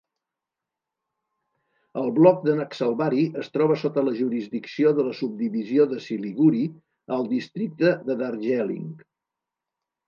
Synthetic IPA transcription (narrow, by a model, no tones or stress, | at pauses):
əlˠβlɔk̚d̪ənaksəlˠβaɾiʔəst̪ɾɔβəsot̪ələʒuɾizd̪iksioðələsub̚d̪iβizioðəsiliɣuɾi | əlˠd̪ist̪ɾik̚t̪əðəðaɾʒɛlḭŋ